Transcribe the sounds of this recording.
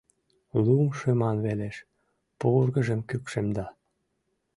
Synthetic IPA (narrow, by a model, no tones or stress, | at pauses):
lumʃømɑnβeleʃ | purɣə̆ʒəmkykʃemd̪ɑ